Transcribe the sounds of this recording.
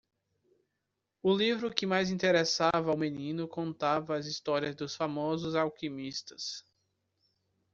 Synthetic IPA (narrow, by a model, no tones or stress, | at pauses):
ʊlivɾʊkɪmajzĩt̪eɾesavɐawmẽnĩnʊkõnt̪avɐːzist̪ɔɾiɐzd̪ʊsfamɔzʊzawkimist̪ɐ̥s